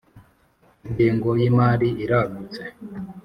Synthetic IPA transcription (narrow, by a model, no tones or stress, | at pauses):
indiːŋɡojimaːɾiiɾaɡut͡se